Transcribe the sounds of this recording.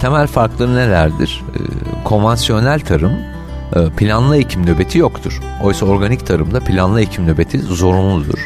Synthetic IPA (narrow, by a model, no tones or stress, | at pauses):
t̪ʰe̞mælʲfaɾklˠɯɾɯnelʲæɾd̪iɾ̥̰kʰo̞nvansijo̞nælʲt̪ʰaɾɯm | ɯːpʰilʲanlˠɯecʰimnøbe̞t̪ʰijo̞kt̪ʰuɾ̥ | o̞jsao̞ɾɡanict̪ʰaɾɯmd̪apʰilʲanlˠɯecʰimnøbe̞t̪ʰizo̞ɾunlˠud̪ṵɾ̥